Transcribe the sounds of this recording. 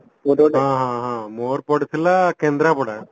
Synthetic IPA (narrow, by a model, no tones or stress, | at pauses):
ooãːɦãɦãːmoːɾpɔɽut̪ʰilakeːnd̪ɾapɔɽa